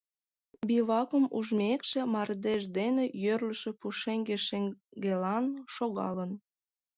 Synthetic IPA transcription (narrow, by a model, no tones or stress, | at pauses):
biβɑkəmuʒmekʃĕmɑrd̪eʒd̪enejørləʃĕpuʃeŋɡeʃeŋɡelɑnʃoɣɑ̰lən